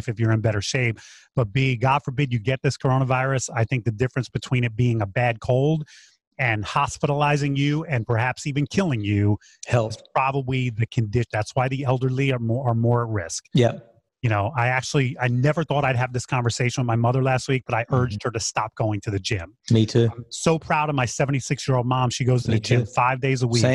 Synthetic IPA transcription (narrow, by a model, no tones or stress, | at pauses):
fɨfjə˞ɨ̃nbɛɾə˞ʃeɪp̚b̥ʌt̚b̥iɡɑd̥fə˞bɪdd͡ʒɨɡɛt̪̚ðɪskʰə˞õʊɾ̃əvaɪɹɨsaɪθɪ̃ŋk̚ðɨdɪfɹɨ̃nsb̥ɨtʰw̥ĩɾñɨt̚b̥iɪ̃ŋəbæd̚kʰoʊlˠd | ɨ̃nhɑspɪɾl̩aɪzɪ̃ŋjʉɨ̃npʰə˞hæpsivɨ̃nkʰɪlˠɪ̃ŋjʉ | hɛlˠz̥pʰɹ̥ɑbəbliðɨkʰɨ̃ndɪʃðætswaɪðiɛlˠdə˞liə˞ɔə˞mɔɹɨt̚ɹɪ̰sk̚jɛp | jɨñoʊʔaɪæk̚t͡ʃl̩ˠiaɪnɛvə˞θɔɾaɪd̚ɨvðɪskʰɑ̃ɱvə˞seɪʃɨ̃n̩wəðmaɪmʌðə˞læst̚wik̚b̥ʌɾaɪʔɜ˞d͡ʒd̚hə˞ɾɨstɑp̚ɡ̥oʊɪ̃ŋtʰɨðɨd͡ʒɪ̃m | mitʰʉ̃msoʊpʰɹ̥aʊɾʌvmaɪsɛvn̩tisɪksjɪ˞olˠd̚mɑ̃mʃiɡoʊz̥tʰɨðɨd͡ʒɪ̃mfaɪvdeɪzəwi